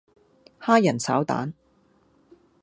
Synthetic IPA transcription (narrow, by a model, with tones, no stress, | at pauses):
haː˥jɐ˨˩nsʰaː˨˥wt̪a̰ː˨˥n